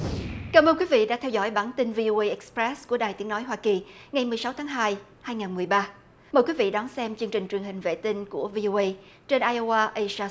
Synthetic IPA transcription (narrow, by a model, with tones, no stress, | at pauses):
kaː˧˩mʔəː˧nkwi˨˦vḭ˧˨ɗa̰ː˧˥t̪ʰɛ˧wzɔ̰˧˩jɓaː˧˩nt̪i˧nvi˧ʔo˧ʔə˧ʔɛ˨˥kspɹɛ˦˥sku˧˩əɗaː˨˩jt̪i˨˦ənɔ˨˦jɦwaː˧ki˨˩ŋa˨˩jmɨ˨˩sa˨˦wt̪ʰaː˨˦ŋɦaː˧j | haː˧jŋaː˨˩nmɨ˨˩əjɓaː˧ | məː˨˩jkwi˨˦vḭ˧˨ɗɔ˨˦nsɛ˧mt͡ɕɨ˧əŋt͡ɕi˨˩ŋ̟t͡ɕwi˨˩əŋɦhï˨˩ŋ̟vḛ˧˨t̪ï˧ŋku˧˩əvi˧ʔo˧ʔə˧j | t͡ɕe˧nʔaː˧jʔo˧wʔaː˧ʔə˧saː˧